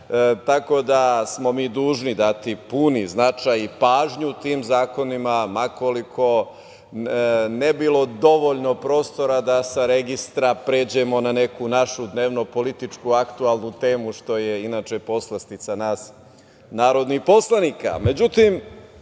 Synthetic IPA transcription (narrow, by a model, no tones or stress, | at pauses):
t̪ako̞d̪asmo̞miːd̪uːʒnid̪at̪ipuniznat͡ʂajipaːʒɲut̪iːmzaːko̞nimamako̞likʰo̞ | nebilˠo̞d̪o̞ʋo̞ʎno̞pɾo̞ːst̪o̞ɾad̪asaɾe̞ɡist̪ɾapɾe̞ːd͡ʑe̞mo̞nane̞kunaʃud̪neːʋno̞po̞lit̪it͡ʂkuakt̪ualˠnut̪e̞ːmuʃt̪o̞jeinaːt͡ʃe̞po̞slˠast̪it̪sanaːs | naːɾo̞d̪nixpo̞slˠanika̰me̞d͡ʑut̪im